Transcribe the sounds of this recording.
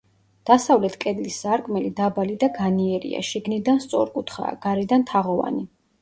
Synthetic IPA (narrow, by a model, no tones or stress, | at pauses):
d̪̥asavlɛt̪ʰkʼɛd̪lisːaɾkʼmɛlid̪abalid̪aɡaniɛɾḭa̰ʃiɡnid̪anst̪sʼɔ̰ɾkʼut̪ʰχa̰ːɡ̥aɾɛd̪ant̪ʰaʁɔva̰ni